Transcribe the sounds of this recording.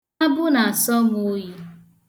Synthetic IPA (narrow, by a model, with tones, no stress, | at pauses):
a˦bʊ˦na˨a˨sɔ˦ŋ˨o˦ji˦